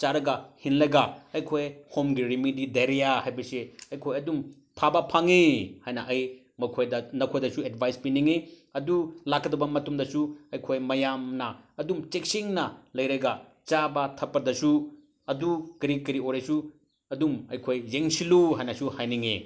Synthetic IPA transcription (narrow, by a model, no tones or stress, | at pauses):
t͡ʃaɾɐɡɐhinlɐɡaɐjkʰojhomɡiɾimidideɾejahajbɐseɐjkʰojɐdum | pʰabɐpʰaŋehajnɐʔɐj | mɐkʰojdɐnɐkʰojdɐsuedbʱajspiniŋeɐdulakʰːɐdɐbɐmɐtumdɐsuɐjkʰojmɐjamnɐːdumt͡ʃek̚siŋnɐlɐjɾɐɡa | t͡ʃabɐtʰɐpːɐdɐsu | ɐdukɐɾikɐɾioɾesu | ɐdumɐjkʰojzeŋsiluhajnɐsuhajniŋe